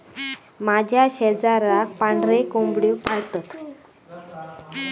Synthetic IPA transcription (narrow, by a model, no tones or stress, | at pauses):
mad͡ʑʱjaɕɛd͡zaɾak̚paɳɖɾekombɽiwpaɭt̪ət̪